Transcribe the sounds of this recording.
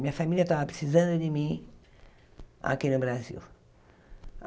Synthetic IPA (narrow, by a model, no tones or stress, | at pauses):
ĩɲɐfamiljɐt̪avɐpɾɪsizɐ̃nd̪ʊd̪ɪmĩ | a̰kinʊbɾazḭw